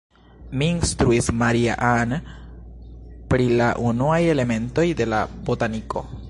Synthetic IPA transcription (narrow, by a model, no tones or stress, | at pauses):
miːnstɾuismaɾia̰ʔan | pɾilaʔunuaje̞le̞me̞nto̞jde̞la̰bo̞taniko̞